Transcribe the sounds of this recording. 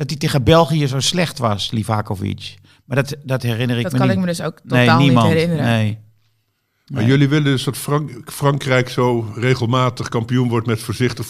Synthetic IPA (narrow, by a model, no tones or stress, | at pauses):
d̥ɔtiteːɣəbɛlˠɣiəzoːslɛxtʋɔslivaːkofḭt͡ʃ | madɔtdɔthɛrɪnərɪmənɪkmədøsoːkneːaːlˠnimɔɪnəneː | majøliʋɪləndɵsdɑtffrɑŋkrɛjksoːreːɣəlˠmaːtəχkɑmpijunʋɔɹtmɛtfəːɹzɪχtəχ